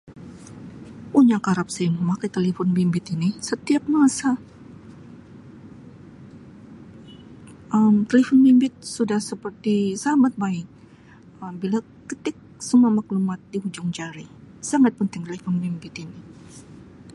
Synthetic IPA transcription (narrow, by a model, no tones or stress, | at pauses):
puɲakaɾap̚sajaməmakajt̪elefɔnbimbɪt̪inisət̪iap̚masa | əmt̪elefɔnbimbɪt̪̚sudahsəpərt̪isamat̪̚baɪk̚ | əmbila | kət̪ɪk̚sumamaklumat̪̚dihud͡ʒɔŋd͡ʒaɾisaŋat̪̚pənt̪ɪŋt̪elefɔnbimbɪt̪ini